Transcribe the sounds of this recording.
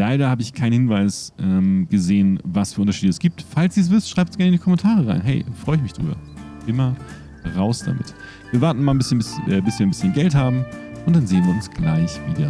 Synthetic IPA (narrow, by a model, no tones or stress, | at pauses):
laɪɾɐhaːbəɪçkʰaɪnhɪnvaɪsʔɛːmɡ̥əzeːənvasfyːɐʊntɐʃiːdəɛsɡ̥iːp̚tfalsd̥iːs̬v̥ɪstʃʁ̥aɪp̚tsɡɛɐɪndiːkʰɔmɛntʰaːʁəʁa̰ɪnɦɛɪfʁ̥ɔʏɪç̬mɪçd̥ʁy̰ːbɐ̰ | ʔɪmɐ | ʁaʊsd̥a̰mɪ̰t | viːɐvaɐtn̩maːlnbɪsçənbɪsʔɛːbɪsviːɐnbɪsçənɡɛlthaːbm̩ʔʊntd̥anzeːənviːɐʊnsɡ̥la̰ɪçvḭːdːɐ